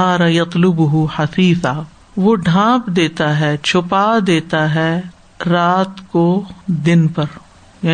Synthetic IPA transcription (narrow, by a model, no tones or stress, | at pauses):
aːɾɐjɐt̪lʊbʊɦʊħɐfiːθaː | ʋoɖʱãːpd̪eːt̪aɦɛt͡ʃʰʊpad̪eːt̪aɦɛ | ɾaːt̪kod̪ɪnpɐɾ | ja